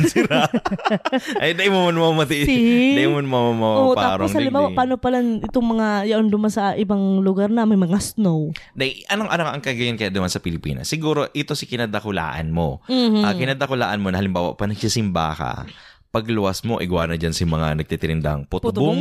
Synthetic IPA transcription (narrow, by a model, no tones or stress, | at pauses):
sɪɾa | ʔɐjd̪ɐʔɪmomɐnmɐmmɐt̪iid̪ɐʔimonmɐmamɐʔoʔtpaaːɾosŋhɐlɪmbaːwaʔpaːnopɐlanɪt̪oŋmɐŋajɐʔond̪ʊmansɐʔɪbaŋlʊɡaɾnɐmɐjmɐŋasnowd̪ɐjʔɐnoŋʔɐnɐŋaʔɐŋkɐɡɐjankɐjad̪ɐmansɐpɪlɪpḭːnɐ̰sːɪɡuːɾo̞ʔɪt̪o̞sɪkɪnɐd̪ɐkʊla̰ːʔɐ̰nmo̞akɪnɐd̪ɐkʊlaːʔɐnmonɐhɐlɪmbaːwa̰ʔpɐnɐɡ̚sisɪmba̰ːka̰ | pɐɡlʊɐsmo̞ʔɪ̰ɡwa̰ːnɐd͡ʒansɪmɐŋanɐɡ̚t̪ɪt̪ɪɾɪnd̪a̰ŋpʊt̪bŋ